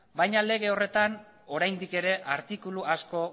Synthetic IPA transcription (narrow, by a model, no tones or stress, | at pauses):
bajɲale̞ɣ̞e̞o̞re̞t̪an | o̞ɾajnd̪ike̞ɾe̞ʔaɾt̪ikuluasko̞